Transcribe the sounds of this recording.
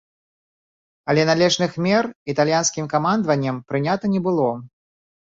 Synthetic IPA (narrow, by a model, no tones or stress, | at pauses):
ɐlʲɛnalʲɛʐnɨxmʲɛrit̪alʲjanskʲimkamand̪vɐnʲːɐmpɾɨnʲat̪ɐnʲɛbɨlˠɔ